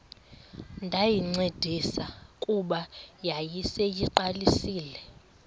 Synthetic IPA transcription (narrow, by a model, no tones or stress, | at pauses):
ndʱajiŋ͡ǀed̥ʱisakʼuɓajajisejiǃalisiːlɛ